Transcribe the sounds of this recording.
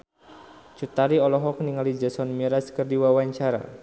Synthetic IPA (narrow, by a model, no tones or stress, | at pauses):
t͡ʃut̪aɾiɔlɔɦɔk̚niŋalid͡ʒəsɔnmiɾaskərdiwawaɲt͡ʃaɾa̰